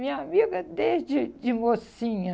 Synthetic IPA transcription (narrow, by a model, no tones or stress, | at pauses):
mĩɲamiɡɐd̪ed͡ʒɪd͡ʒɪmosĩɲɐ